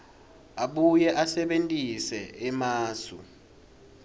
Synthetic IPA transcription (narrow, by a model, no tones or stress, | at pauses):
aɓujɛʔasɛɓentʼisɛɛmaːsṵ